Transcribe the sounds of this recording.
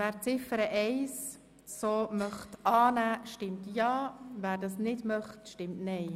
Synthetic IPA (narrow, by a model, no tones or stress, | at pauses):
væːɾt͡sɪfəɾəʔɛɪs | soːmœχtɑːnæːʃtɪmtjɑːvæːɾdɑsnɪdmœχtʃtɪmtnɛɪ